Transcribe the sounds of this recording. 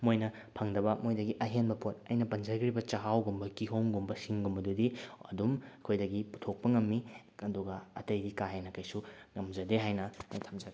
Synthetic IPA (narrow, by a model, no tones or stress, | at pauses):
mojnɐ | pʰɐŋdɐbɐmojdɐɡiʔɐɦenbɐpʰot̚ɐjnɐpɐnd͡ʒɐɾɡɾibɐt͡ʃɐɦawɡumbɐkiɦowŋɡumbɐsiŋɡumbɐdudiɐ̰dumkʰojdɐɡipu̥tʰok̚pɐŋɐmːi | ɐduɡɐɐ̰tɐjdikaɦenɐkɐjsuŋɐmd͡ʒɐdeɦajnɐɐ̰jtʰɐmd͡ʒɐɡ